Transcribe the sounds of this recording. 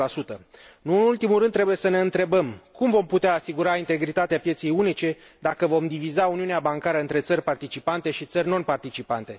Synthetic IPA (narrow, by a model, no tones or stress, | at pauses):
lasut̪ənuɨnult̪imuɾɨnːɾe̞buje̞səne̞ɨnt̪ɾe̞bəmkumvo̞mput̪eaːsiɡuɾaint̪e̞ɡɾit̪at̪eapje̞t̪se̞junit͡ʃe̞ | d̪akəvo̞md̪ivizauniuneabaŋkaɾəɨnt̪ɾe̞t̪sərʲpart̪it͡ʃipant̪e̞ʃit̪sərʲno̞npart̪it͡ʃipant̪e̞